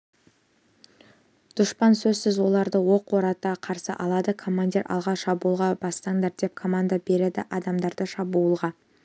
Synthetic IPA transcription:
d̪̥ʊʃpɑnsɵzsɪzwo̞lˠɑɾd̪əwo̞qwoɾɑt̪ɑqʰɑɾsəʔɑlˠɑd̪əkʰo̞mand̪ʲiɾʔɑ̰lˠʁɑʃɑbuəlˠʁɑbɑst̪ɑŋd̪ɑɾd̪e̞p̚kʰo̞mand̪abe̞ɾed̪ɪʔɑd̪ɑmd̪ɑɾd̪əʃɑbuːəlˠʁɑ

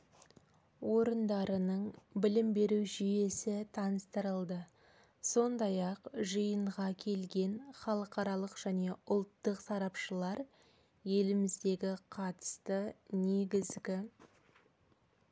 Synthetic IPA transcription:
wʔo̞ɾənd̪ɑɾənəɴbɪlɪmbe̞ɾuwʒʏje̞sɪt̪ʰɑnəst̪əɾəlˠd̪ə | so̞nd̪ɑjɑqʒəjəɴʁɑkʲʰe̞lɡʲe̞nχɑlˠəqɑɾɑlˠəqʒ̥æne̞ʊlˠt̪ːəqsɑɾɑpʃəlˠɑɾ | je̞lɪmɪzd̪e̞ɡʲɪqʰɑt̪ə̥st̪əne̞ɡʲɪzɡʲɪ

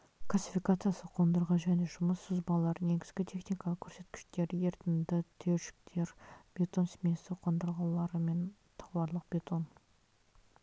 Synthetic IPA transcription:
kʰlˠasʲifijkat̪sɨjasəqʰo̞nd̪əɾʁɑʒæne̞ʒʊməsːəzbɑlˠɑɾne̞ɡʲɪzɡʲɪt̪ʲʰe̞χnijkɑlˠəqkʲʰɵɾse̞t̪kʲɪ̥ʃt̪e̞ɾjeɾt̪ɪnd̪ɪt̪ʰeɾʃɪ̥k̚t̪ʰe̞ɾb̥ʲe̞t̪o̞nsmʲesɪqʰo̞nd̪əɾʁɑlˠɑɾəme̞n | t̪ʰɑ̥wɑɾlˠəq̚b̥ʲe̞t̪o̞n

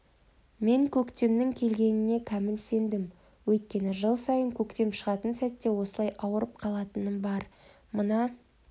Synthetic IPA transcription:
me̞ŋkʲʰɵkt̪e̞mnɪŋkʲʰe̞lɡʲe̞nɪne̞kʲʰæmɪlse̞nd̪ɪm | wɵjt̪̚kʲe̞nɪʒəlˠsɑjəŋkʲʰɵkt̪e̞mʃəʁɑt̪ənsæt̪ːe̞wo̞səlˠɑjʔɑwəɾəp̚qʰɑlˠɑt̪ənəbɑɾ | mənɑ

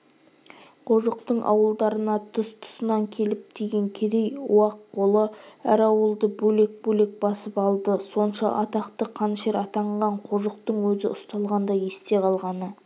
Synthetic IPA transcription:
qʰoʒəqt̪əɴʔɑ̰wəlˠd̪ɑɾənɑt̪ʰʊst̪ʰʊ̥sənɑŋkʲʰe̞lɪp̚d̪ʰeɡʲe̞ŋkʲʰed̪ejṵɑqʰːo̞lˠəæ̰ɾɑwəlˠd̪əbɵle̞k̚bɵle̞k̚bɑsəpɑlˠd̪əso̞nʃɑ̰ʔɑ̰t̪ɑqt̪əqʰɑnʃe̞ɾɑt̪ɑɴʁɑɴqʰoʒəqt̪əɴwɵzɪʊst̪ɑlˠʁɑnd̪ɑje̞st̪e̞qʰɑlˠʁɑnə

